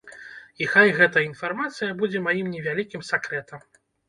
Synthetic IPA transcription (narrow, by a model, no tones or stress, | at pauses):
ixajɣɛt̪ɐinfarmat̪sɨjɐbud͡zʲɛmajimnʲɛvʲalʲikʲimsʲakɾɛt̪ɐm